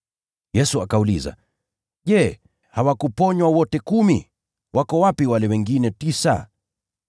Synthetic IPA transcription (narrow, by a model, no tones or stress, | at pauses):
jɛsuakauliza̰ | ʄɛ | hawakupɔɲwawɔtɛkumi | wakɔwapiwalɛwɛŋɡinɛtisa̰